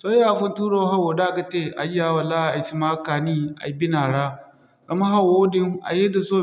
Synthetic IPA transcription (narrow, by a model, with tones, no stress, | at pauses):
so˦aː˦˨ɸʊ˦ntuː˦ɽoː˦ɦa˦woː˨daː˦˨ka˨t͡ʃeː˦˨ʔa̰˨jaː˨˦˨wa˨laː˦a˨ʔa˨jt͡ʃi˦maː˦kaː˨niː˦ʔa̰˨˦bɪ˦naː˨ɽaː˦ | zɐ˨ma˦ɦa˨woː˦dɪ˦ŋʔa̰˨je˦da˨soː˦˨